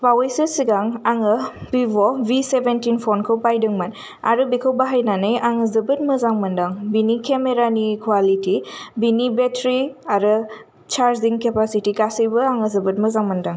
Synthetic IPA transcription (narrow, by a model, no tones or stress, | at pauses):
bawejsɯsiɡaŋaŋɯbibɔbisebentinpʰɔnkʰɯwpajdɯŋmɐn | a̰ɾɯbikʰəwbaɦajnanɯjʔaŋɯzɯbɯt̚mɐzaŋmɐndaŋbinikemeɾanikwalitibinibetɾiaɾɯ | t͡ʃaɾziŋkepasitiɡasɯjbɯaŋɯzɐbɯt̚mɐzaŋmɐndaŋ